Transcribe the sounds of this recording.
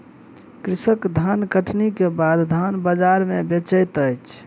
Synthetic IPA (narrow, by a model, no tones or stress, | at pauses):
kɾisəkd̪ʱankəʈʰnikebad̪ʱd̪ʱanbəd͡ʒaɾmẽbet͡ʃəjt̪əjt͡ʃʰ